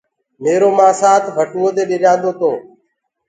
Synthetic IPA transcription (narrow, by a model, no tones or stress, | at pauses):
meːɾoːmãːsaːt̪ʰbʱəʈuːoːd̪eːɗɪɾjãːnd̪oːt̪õː